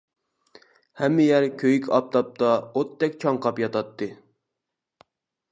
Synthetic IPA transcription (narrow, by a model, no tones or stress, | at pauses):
hɛmːɪjæɾkʲʰøjykʲʰɑp̚t̪ʰɑp̚t̪ʰɑot̪ʰːɛk̚ʲt͡ʃʰɑɴqʰɑpjɑt̪ɑt̪ʰːɨ